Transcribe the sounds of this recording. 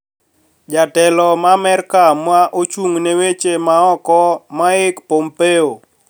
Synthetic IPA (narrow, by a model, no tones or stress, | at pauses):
d͡ʒatɛlɔmamɛrkamwaʔot͡ʃuŋnewet͡ʃemaɔkɔmaɪkpompeo